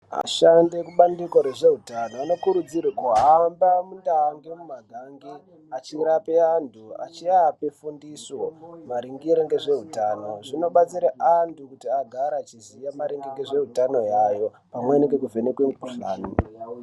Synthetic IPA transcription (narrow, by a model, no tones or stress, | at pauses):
a̰ʃandekuɓandikwaɾe̞ʐe̞ɦutanoano̞kuɾud͡zirikuɦambamundaŋɡemumaɡʱaŋɡi | at͡ʃiɾapeantʰua̰t͡ʃiapefundiswomaɾiŋɡiɾeŋɡe̞ʐe̞ɦutaːno̞ʐino̞ɓat͡siɾaʔantʰukutiaɡʱaɾaːt͡ʃizijamaɾiŋɡiŋɡe̞ʐe̞ɦutano̞jajo̞ | pamweniŋɡe̞k̬uvʱenekweuɬa̰ːni